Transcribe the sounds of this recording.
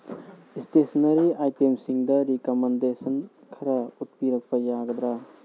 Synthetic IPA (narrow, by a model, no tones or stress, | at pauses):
istesɐnɐɾiajtemsiŋd̪ɐɾikɐmɐndesɐn | kʰɐɾaut̚piɾɐk̚pɐjaɡɐd̪ɾa